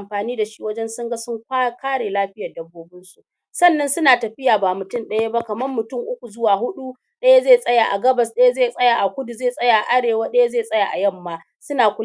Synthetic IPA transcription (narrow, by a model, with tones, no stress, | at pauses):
a˨mɸaː˨niː˦da˨ʃi˦wɐ˦d͡ʒɛ˦nsʊ˦ŋɡa˦sʊ˦ŋkʷːkaː˦ɽeː˨laː˦ɸɪ˦jaː˨dɐ˦bːoː˦bɪ˦nsu˨ʔ | sɐ˦˨nːɐ˦nsʊ˦naː˨tɐ˨ɸɪ˦jaː˨baː˨mʊ˨tʊ˦˨nɗɐ˦ja˦ba˦kɐ˨mɐ˦mːʊ˨tʊ˦˨ŋʔʊ˦kʷu˨zʊ˦waː˨ɦʊ˦ɗu˦ | ɗɐ˦ja˦zeː˦˨sʼɐ˦ja˨ʔa̰˨ɡɐ˦bɐ˨sɗɐ˦ja˦zeː˦˨sʼɐ˦ja˨ʔa˨kʷʊ˦du˨zeː˦˨sʼɐ˦ja˨ʔa˨ʔa˦ɽeː˨waː˦ɗɐ˦ja˦zeː˦˨sʼɐ˦ja˨ʔa̰˨jɐ˦˨mːaː˦˨ | sʊ˦naː˨kʷʊ˦